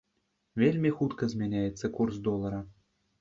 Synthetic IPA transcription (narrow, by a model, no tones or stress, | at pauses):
vʲelʲmʲexut̪kɤ̆zʲmʲenʲæjet͡sʲːɘ̆kurs̬d̪olˠɑɾɑ̆